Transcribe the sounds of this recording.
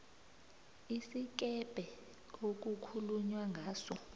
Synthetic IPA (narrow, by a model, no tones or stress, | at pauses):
isik̬ɛb̥ʱɛ | ok̬ukʰuluɲwaŋʱaːsɔ